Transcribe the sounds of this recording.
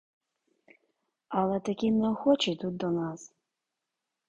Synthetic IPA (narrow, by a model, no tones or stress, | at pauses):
alˠɛt̪akʲinɛxɔt͡ʃit̪ut̪̚d̪ɔnas